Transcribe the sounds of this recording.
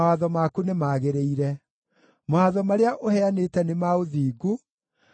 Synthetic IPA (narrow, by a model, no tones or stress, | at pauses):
aðɔmakunemaːɣeɾeiɾɛ | maaðɔmaɾeaʔohɛanetɛnemaoðiːɡo